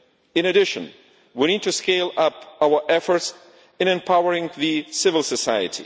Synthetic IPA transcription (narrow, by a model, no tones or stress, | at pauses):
ɨ̃ñɨdɪʃə̰̃n | wiñid̚tuskeɪlʌpaə˞ʔɛfə˞ts | ɨ̃nɛ̃mpʰawəɹɪ̃ŋðɨsɪvəlˠsəsajɨ̰tʰḭ